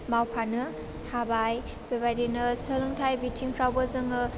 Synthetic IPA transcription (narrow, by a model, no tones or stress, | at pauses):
mawpʰanɯ | habaj | b̥ebajdinɯsəluŋtʰajbitʰiŋpʰɾawbɯzɯŋɯ